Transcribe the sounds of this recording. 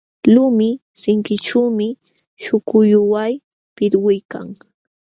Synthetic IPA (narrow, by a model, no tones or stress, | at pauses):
lʊmɪsɪŋkɪʈ͡ʂuːmɪ | ʃʊkʊjʊwaj | pɪɾwʊjka̰ŋ